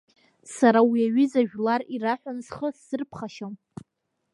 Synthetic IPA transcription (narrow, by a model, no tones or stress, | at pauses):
saɾawiaɥɪzaʒᶣlariraħʷᶣansχəsːɨrpʰχaʃam